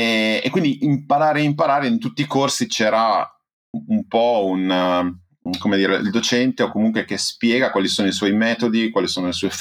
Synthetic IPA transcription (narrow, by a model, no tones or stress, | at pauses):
ḛkːwind̪iʔimpaɾaːɾeaimpaɾaːɾeint̪ut̪ːiːkorsit͡ʃɛːɾa | umpɔun | komed̪iːɾeʔḭld̪ot͡ʃɛnt̪eokomuŋkwek̟espjɛːɡakwalisoːnoiswɔjmɛːt̪od̪ikwaːlisoːnolesɔf